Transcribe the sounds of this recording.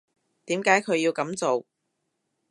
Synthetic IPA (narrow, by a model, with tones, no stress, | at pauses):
t̪iː˨˥mkaː˨˥jkʰɵ˨˧ɥjiː˧wkɐ˨˥mt͡so˨w